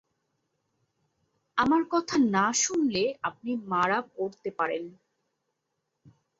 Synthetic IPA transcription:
amaɾkɔt̪ʰanaʃunleap̚nimaɾabkoɾt̪epaɾen

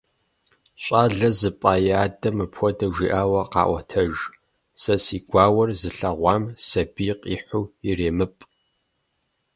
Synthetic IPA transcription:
ɕʷʼaːɮɐzɨpʼaːjaːdɐmɨpʰxʷɔdɐʒʷiːʔaːwɐqɑ̰ːʔʷɔ̰tʰɐʒ | sɐsiːɡʷaːwɐrzɨɬɐʁʷɑːmsɐbiːqʼiːħʷuːireːmɨpʼ

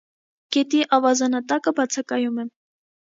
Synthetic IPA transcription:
ɡ̥ɛt̪iʔɑvɑzɑnɑt̪ɑkəbɑt͡sʰɑkɑjumɛ

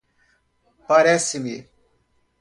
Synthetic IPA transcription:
paɾɛsɪmi

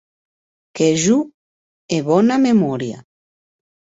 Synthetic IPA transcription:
keʒu | eβɔnamemɔɾja̰

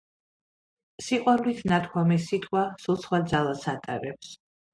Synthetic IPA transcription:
siqʼwaɾlit̪ʰnat̪̚ʰkʰwamisit̪ʰʼqʼwasulˠsχwad̪zalˠasat̪ʼa̰ɾɛps

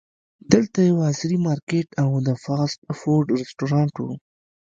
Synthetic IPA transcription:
d̪əlt̪ajawɑzɾimɑɾkeʈawd̪əfɑsʈfoɾɖɾɪsʈoɾɑɳʈwṵ

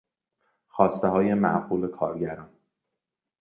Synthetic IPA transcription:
xɒːst̪eɦɒːje̞mæ̰ʔɢuːle̞kʰɒːɾɟæɾɒːn

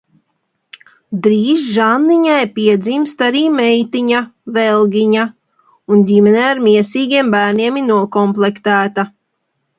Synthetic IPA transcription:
d̪ɾiːzʒanːiɲajpiɛd̪zimst̪aɾiːmɛjt̪iɲavɛlˠɡʲiɲa | undimɛnɛːaɾmʲiɛsiːɡʲiɛmbæːɾniɛminuɔkɔmplˠɛkt̪æːt̪a

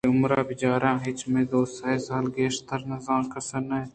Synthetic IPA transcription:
ʊmɾaːbɪd͡ʒaːɾãːɦɪt͡ʃmẽːd̪oːsaːisaːlɡeːʃt̪əɾnɐzãːnkɐsənɛː

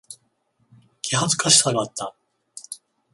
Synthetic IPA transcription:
kʲiɦat͡sɨ̥kaɕi̥saɡat̪ːa

